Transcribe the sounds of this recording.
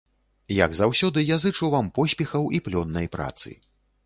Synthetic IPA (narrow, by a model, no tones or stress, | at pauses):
ja̰ɡzawsʲɔd̪ɨjazɨt͡ʂɐwvampɔsʲpʲɛxɐwiplʲɔnːɐjpɾa̰t̪sɨ̰